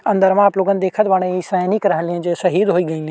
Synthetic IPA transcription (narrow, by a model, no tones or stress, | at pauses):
ɐ̃nd̪əɾmãaːploːɡənd̪eːkʰət̪ʋɐɽ̃ẽisaːnikɾɐɦə̃liẽd͡ʒesɐɦiːd̪ɦoːiɡɐĩːl